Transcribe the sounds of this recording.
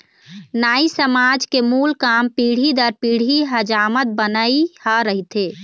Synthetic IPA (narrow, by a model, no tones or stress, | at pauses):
naːisəmad͡ʒkemulkampiːɽ̤id̪əɾpiːɽ̤iɦəd͡ʒaːmət̪̚bənəihaɾəɦit̪e